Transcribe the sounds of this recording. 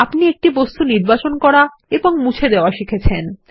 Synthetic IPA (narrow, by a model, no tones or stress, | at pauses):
apniek̚ʈibost̪uniɾbat͡ɕonkɔɾa | eboŋmut͡ɕʰed̪eoaʃikʰet͡ɕʰen